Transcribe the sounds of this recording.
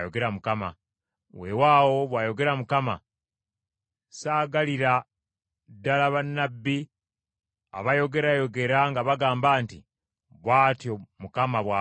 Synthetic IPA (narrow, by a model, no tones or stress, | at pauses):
joɡe̞ɾamukama̰ | wewaːwo̞βwaːjo̞ɡe̞ɾamukama̰ | saːɡaliɾa | dːalaβanːabːi | a̰βajo̞ɡe̞ɾajo̞ɡe̞ɾaŋɡaβaɡaːmbaːntḭ | βwaːtjomukamaβwa